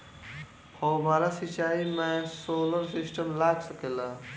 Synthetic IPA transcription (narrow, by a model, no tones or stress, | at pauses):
hobaɾasit͡ʃaːimãsoːləɾsisʈəmlaːɡsɐkela